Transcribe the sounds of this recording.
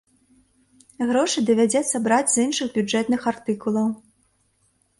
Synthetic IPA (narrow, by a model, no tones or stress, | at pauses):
ɣɾɔʂɨd̪ɐvʲad͡zʲɛt̪sːɐbɾad͡zʲzɨnʂɨɣbʲud͡ʐɛt̪nɨxart̪ɨkulˠɐw